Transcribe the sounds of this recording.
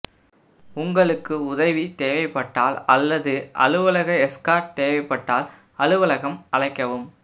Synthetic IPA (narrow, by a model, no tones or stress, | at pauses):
ʊŋɡɐɭɯkːɯʊðɐʋit̪eːʋɐɪpːɐʈːaːlɐlːɐðɯʔɐ̰ɻɯʋɐlɐɣɐɛskaːʈ̚t̪eːʋɐɪpːɐʈːaːl | ɐɻɯʋɐɭɐɣɐmʔɐɭɐɪkːɐʋɯm